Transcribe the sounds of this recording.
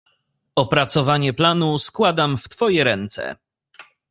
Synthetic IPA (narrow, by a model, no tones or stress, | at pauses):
ɔpɾat̪sɔvaɲɛplanuskwad̪amft̪fɔjɛɾɛnt̪sɛ̰